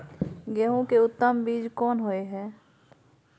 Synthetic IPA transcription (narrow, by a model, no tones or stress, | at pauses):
ɡɛɦõkeʊt̪ːəmbiːd͡ʒkɔːnɦoeɦɛː